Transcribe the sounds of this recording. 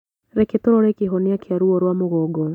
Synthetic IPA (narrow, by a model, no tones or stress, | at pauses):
ɾeketoɾɔɾɛkeɦɔnɪakʰeaɾuɔɾwamoɣɔːɡɔ